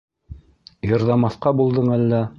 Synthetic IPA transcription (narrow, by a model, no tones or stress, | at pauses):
jɤ̆ɾðɑmɑθqɑbulˠd̪ɤɴælːæ